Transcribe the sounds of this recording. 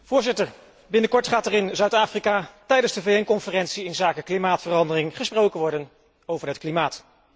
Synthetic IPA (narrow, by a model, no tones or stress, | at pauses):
v̥ʊːɹzɪtəɹ | bɪnəkɔɹtχaːtɛːrɪnzœɥtaːfrikaːtɛjdənzdəvejɛnkɔnfərɛntsiɪnzaːkəklimaːtfərɑndərɪŋχəsprowkənʋɔɹdən | owvəɹɦətklimaːt